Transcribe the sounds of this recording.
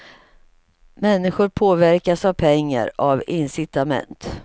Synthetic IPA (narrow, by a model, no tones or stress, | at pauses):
mɛnːɪɧʊɾpʰoːvæɾkasavpʰɛŋːa̰ɾavɪnsɪt̪amɛ̰nt̪